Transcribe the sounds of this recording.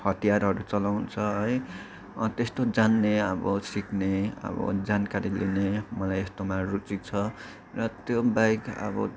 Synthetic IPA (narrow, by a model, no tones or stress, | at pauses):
hʌt̪ijaɾɦʌɾut͡sʌlawnt͡sʰʌɦʌj | t̪est̪od͡zanːeʌbʌ̰sikneʌ̰bʌ̰d͡zankaɾilinemʌlajest̪omarut͡sik̚t͡sʰʌ | rʌt̪jobajkʌ̰bʌ̰